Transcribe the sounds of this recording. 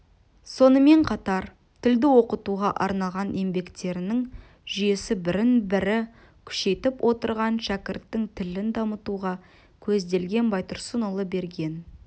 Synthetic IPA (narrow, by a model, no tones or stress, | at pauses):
so̞nəme̞ɴqʰɑt̪ɑɾ | t̪ʰɪld̪ɪwo̞qət̪uʁɑʔɑɾnɑlˠʁɑnʔe̞mbe̞kt̪e̞ɾɪnɪŋ | ʒ̥ʏje̞sɪbɪɾɪnbɪɾɪ | kʲʰʏ̥ʃe̞t̪ɪpwʔo̞t̪əɾʁɑnʃækʲɪɾt̪ːɪŋt̪ʰɪlɪnd̪ɑmət̪uʁɑ | kʲʰɵzd̪e̞lɡʲe̞nbɑjt̪ʊɾsənʊlˠəbe̞ɾɡʲe̞n